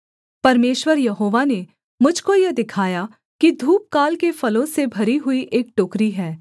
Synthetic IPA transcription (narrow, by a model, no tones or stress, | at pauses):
pɐɾmeːʃwəɾjɐɦoːʋane | mʊd͡ʒʱkojɐd̪ɪkʰaːja | kid̪ʱuːp̚kaːlkefɐlõsebʱɐɾiɦʊiʔeːk̚ʈoːkɾiɦɛː